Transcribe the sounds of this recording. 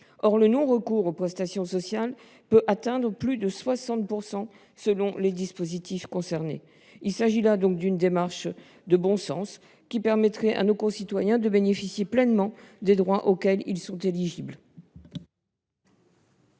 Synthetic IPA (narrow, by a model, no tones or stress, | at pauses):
ɔʁlənɔ̃ʁəkuʁopχɛst̪asjɔ̃sɔsjal | pøʔat̪ɛ̃d̪ʁəplyd̪əswasɑ̃t̪̚puʁsɑ̃ | səlɔ̃led̪ispozit̪ifkɔ̃sɛʁnḛ | ilsaʒilad̪ɔ̃k̚d̪ynd̪emaʁʃ | d̪əbɔ̃sɑ̰̃s | kʲipɛʁmɛt̪χɛʔa̰nokɔ̃sit̪wajɛ̃d̪əbenefisjeplɛnmɑ̃d̪ed̪ʁwaʔokʲɛlilsɔ̃t̪eliʒibl